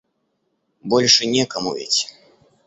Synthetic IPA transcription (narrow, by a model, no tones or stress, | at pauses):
bɔlʲʂɨnʲɛkɐmuvʲɛ̰t͡sʲ